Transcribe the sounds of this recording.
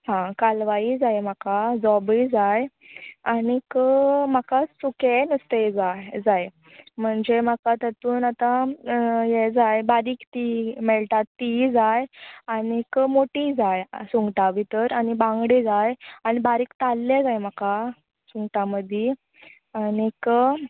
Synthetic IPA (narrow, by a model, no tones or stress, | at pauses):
ɦãkalʋaid͡zajm̤akad͡zɔbid͡zaj | anikəm̤akasukenəst̪ed͡zajd͡zaj | m̤əɳd͡zem̤akat̪ət̪uːnat̪a | jed͡zajbaɾiːkt̪imɛɭʈat̪ːid͡zajanikmoʈid͡zajsuŋɡʈaʋit̪əɾanibãŋɡɽid͡zajañibaɾiːkt̪alːed͡zajm̤aka | sũŋɡʈaməd̪ʱi | anik